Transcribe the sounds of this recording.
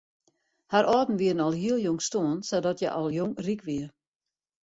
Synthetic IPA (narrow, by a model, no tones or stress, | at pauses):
haɾʔɔːtn̩ʋiədn̩ɔlˠɦiəlˠjoŋstoːənsɔdɔtjɛ̰ʔɔlˠjoŋrikʋiər